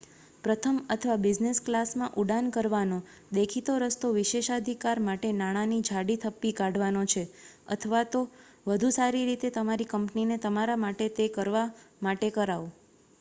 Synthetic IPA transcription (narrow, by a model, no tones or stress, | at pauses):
pɾət̪ʰəmət̪ʰəʋabɪd͡ʒnesklasmãʔuɖankəɾʋanõ | d̪ekʰit̪oɾəst̪oʋiʃeʃad̪ʱikaɾmaʈenaɽ̃ãnid͡ʒʱaɽit̪ʰəpːikaɖʋanot͡ʃʰe | ə̰t̪ʰəʋat̪o | ʋəd̪ʱusaɾiɾit̪et̪əmaɾikəmpninet̪əmaɾamaʈet̪ekəɾʋamaʈekəɾaʋo